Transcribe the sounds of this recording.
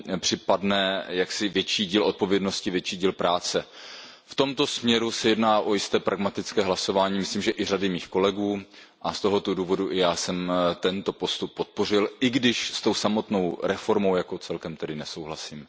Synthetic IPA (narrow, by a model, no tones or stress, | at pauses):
pr̝̥ɪpadnɛjaksɪvjɛt͡ʃiːɟiːlo̞t̪̚po̞vjɛdno̞scɪvjɛt͡ʃiːɟiːlpɾʔaːt͡sɛ | ft̪o̞mt̪o̞smɲɛɾusɛjɛdnaːʔo̞jɪst̪ɛːpɾʔaɡmat̪ɪt͡skɛːɦlaso̞vaːɲiːmɪsliːmʒɛʔɪr̝adɪmiːxko̞lɛɡuː | ʔast̪o̞ɦot̪oduːvo̞duʔɪjaːsɛmt̪ɛnt̪o̞po̞st̪upːot̪̚po̞r̝ɪlʔɪɡdɪʃst̪o̞wsamo̞t̪nowɾɛfo̞ɾmo̞wjako̞t͡sɛlkɛmt̪ɛdɪnɛso̞wɦlasiːm